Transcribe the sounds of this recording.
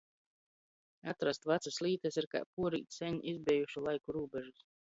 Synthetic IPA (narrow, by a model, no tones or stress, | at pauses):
at̪ɾast̪vat̪saslˠiːt̪asiɾka̰ːpuɔɾḭːt̪sʲɛɲʔizbʲɛjuʃulˠajkuɾuːbɛʒus